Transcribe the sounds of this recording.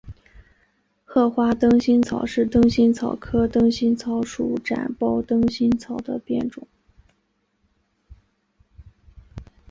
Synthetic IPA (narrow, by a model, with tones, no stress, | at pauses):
xɤ˥˩xwa˥t̪ɤ˥ŋɕi˥nt͡sʰɑ˨˩ʊʂɻ̩˥˩t̪ɤ˥ŋɕi˥nt͡sʰɑ˨˩ʊkʰɤ˥t̪ɤ˥ŋɕi˥nt͡sʰɑ˧˥ʊʂu˨˩ʈ͡ʂa̰˨˩npɑ˥˩ʊt̪ɤ˥ŋɕi˥nt͡sʰɑ˨˩ʊd̪ə˦pjɛ̰˥˩nʈ͡ʂʊ˨˩˦ŋ